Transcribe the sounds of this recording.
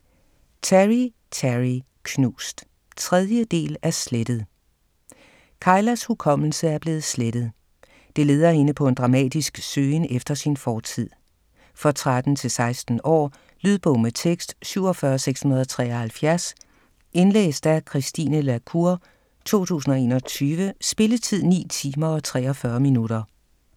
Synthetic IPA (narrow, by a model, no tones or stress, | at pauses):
t͡sʰæʁi | t͡sʰæʁi | kʰnuːsd̥ | t͡sʰʁɛð̞ˠjəd̥e̝̰ːlæɐsled̥əð̞̩ˠ | kʰɑ̈ɪlæshukʰɒ̽m̰l̩səæɐb̥le̝ːð̩ˠsleɾ̥əð̩ˠ | d̥e̝le̝ːð̞ˠɐhe̝nəpʰɒ̽e̝nd̥ʁɑ̈mɛ̰ːd̥isɡ̥søːnefd̥ɐsinfɒːt͡sʰið̞̰ˠ | fɒ̽t͡sʰʁad̥n̩t͡sʰe̝lsɑ̈ɪsd̥n̩ɒ̰ː | lyð̞ˠb̥ɔʊ̰met͡sʰeɡ̥sd̥syʊ̰ɒ̽fɶːɐseɡ̥shunɐðˠɒt͡sʰʁɛ̰ːɒhælfjæɐs | e̝nlḛːsd̥ækʰʁisd̥ḭːnəlækʰuɐ | t͡sʰo̝̰ːt͡sʰṵːsn̩ɒe̝̰ːnɒ̽t͡sʰyːʋəsb̥e̝lət͡sʰið̞̰ˠnḭːt͡sʰiːmɐɒ̽t͡sʰʁɛ̰ːɒfɶɐminudɐ